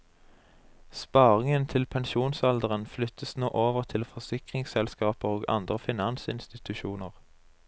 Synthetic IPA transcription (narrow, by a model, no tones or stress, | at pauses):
spɑːʁɪŋənt̪ʰɪlpʰɛnʃuːnsɑld̪əʁənflʏt̪əsnoːʔoːʋəʁt̪ʰɪlfɔʁsɪkʁɪŋsɛlskɑːpəʁoːɡɑ̰nd̪ʁəfɪnɑnsɪ̰nst̪ɪt̪ʉʃuːnəʁ